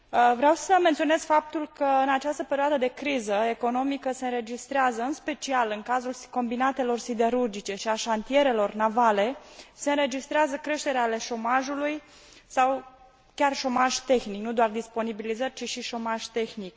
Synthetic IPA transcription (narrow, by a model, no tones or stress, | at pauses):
vɾeawsəme̞nt̪sione̞z̥fap̚t̪ulkəɨnat͡ʃast̪əpeɾioad̪əd̪e̞kɾizəe̞ko̞no̞mikəse̞ɨnɾe̞d͡ʒist̪ɾeazəɨnspe̞t͡ʃialɨŋkazulko̞mbinat̪e̞lo̞rsid̪e̞ɾurd͡ʒit͡ʃe̞ʃiaʃant̪ie̞ɾe̞lo̞rnavale̞se̞ɨnɾe̞d͡ʒist̪ɾeazəkɾe̞ʃt̪e̞ɾeale̞ʃo̞maʒuluj | saw | kʲarʃo̞maʒt̪e̞xniknud̪oard̪ispo̞nibilizərʲt͡ʃiʃiʃo̞maʒt̪e̞xnik